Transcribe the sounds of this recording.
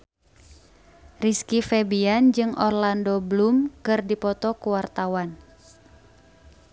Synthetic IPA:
riskifɛbiand͡ʒɨŋɔ̰rlandɔblumkɨrdipɔt̪ɔkuwart̪awan

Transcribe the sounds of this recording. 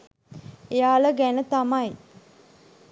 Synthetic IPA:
ejaːləɡænət̪amaj

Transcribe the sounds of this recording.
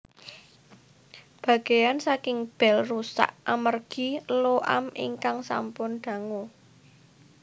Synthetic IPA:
b̥ä̤ɡ̥e̤jansakɪŋb̥ɛ̤lrusa̰ʔamərɡ̥i̤loʔa̰mḭŋkaŋsa̰mpʊnɖ̪̥a̤ŋo

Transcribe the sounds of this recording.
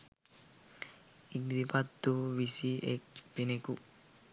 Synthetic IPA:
ik̚d̪ipat̪ːuʋisiek̚bineku

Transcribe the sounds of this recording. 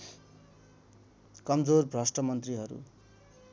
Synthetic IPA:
kʌmd͡zorbʱrʌsʈʌmʌnt̪riɦʌɾṵ

